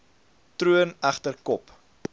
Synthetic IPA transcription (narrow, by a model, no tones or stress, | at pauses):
truənæχtərkɔp